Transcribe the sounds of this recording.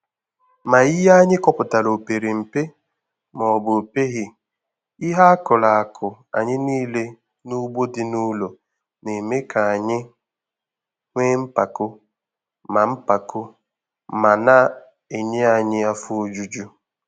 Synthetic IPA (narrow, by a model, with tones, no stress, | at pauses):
ma˨i˦ja˦ɲɪ˦kɔ˦pʊ˨ta˨lo˨pe˨ɾe˨m̩˨pe˦ | mɔ˨ɔ˨bo˨pe˦ɣɪ˦ | i˦ɦa˦a˦kʊ˨la˨a˨kʰʊ˨ | a̰˨ɲɪ˦niː˦le˦ | nu˦ɡ͡bo˦dɪ˦nu˦lo˨ | ne˨me˦kʰa˨a˨ɲɪ˦ | ŋʷeː˦m̩˦pa˨kʊ˦ | ma˨m̩˦pa˨kʊ˦ | ma˨na˦ | e˨ɲe˦a˨ɲɪ˦a˦fʊ˦o˦d͡ʒu˦d͡ʒu˦